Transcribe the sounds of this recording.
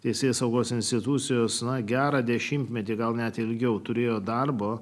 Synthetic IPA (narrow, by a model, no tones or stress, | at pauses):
t̪ʲɛɪsʲeːsɐʊɡoːsɪnʲsʲt̪ʲɪt̪ʊt̪sʲɪjoːsnɐɡʲæːɾɑːd̪ʲɛʃʲɪmʲt̪ʲmʲɛt̪ʲiɡɐlˠnʲɛt̪ɪlʲɡʲɛʊt̪ʊɾʲeːjoːd̪ɐrboː